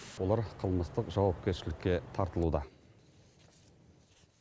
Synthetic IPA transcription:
wo̞lˠɑɾqʰəlˠməst̪əqʒɑwɑp̚kʲe̞ɾʃɪlɪkʲːe̞t̪ʰɑɾt̪əlˠud̪ɑ

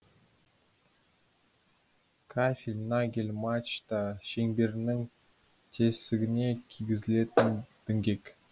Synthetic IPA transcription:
kʰafʲilʲnaɡʲelʲmat͡ʃt̪ɑʃeŋbe̞ɾɪnɪŋ | t̪ʰesɪɡʲɪne̞kʲʰiɡʲɪzɪle̞t̪ɪnd̪̥ɪŋɡʲe̞kʲ

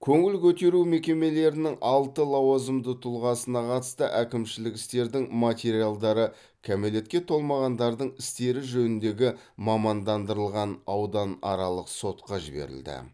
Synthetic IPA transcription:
kʲʰɵŋɪlkʲʰɵt̪e̞ɾume̞kʲe̞me̞le̞ɾɪnɪŋʔɑlˠt̪əlˠɑwɑzəmd̪ət̪ʰʊlˠʁɑsənɑqʰɑt̪ə̥st̪əʔækʲɪmʃɪlɪkɪst̪e̞ɾd̪ɪŋmat̪ʲe̞ɾialˠd̪ɑɾə | kʲʰame̞le̞t̪̚kʲe̞t̪ʰo̞lˠmɑʁɑnd̪ɑɾd̪əɴɪst̪e̞ɾɪʒɵnɪnd̪e̞ɡʲɪ | mɑmɑnd̪ɑnd̪əɾəlˠʁɑnɑwd̪ɑnɑ̰ɾɑlˠəqso̞t̪̚qɑʒɪbe̞̰ɾɪ̰ld̪ɪ̰

